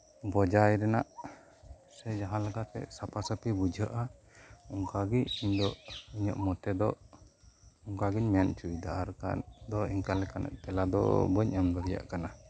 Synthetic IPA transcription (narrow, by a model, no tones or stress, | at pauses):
bɔd͡ʒajɾɛnaʔ | sɛd͡ʒaɦalaɡat̪ɛ̰sapasəpibud͡ʒəʔa | uŋkaɡiɲiɲd̪ɔʔiɲə̰ʔmɔt̪ɛd̪ɔ | uŋkaɡiɲmɛant͡ʃuid̪a̰ʔaɾka̰nd̪ɔiŋkalɛkana̰ʔt̪ɛlad̪ɔ̰bəɲamb̪ɔɾija̰ʔkana